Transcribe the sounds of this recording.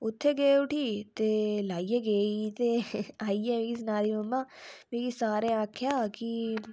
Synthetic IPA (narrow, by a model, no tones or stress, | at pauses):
ʊt̪ʰːeːɡeːʊʈiːt̪eːlaːieːɡeːit̪eːaːiːɛːmẽːɡisɪnaːɾiomːãːmẽːɡisaːɾẽːãːkʰjaːki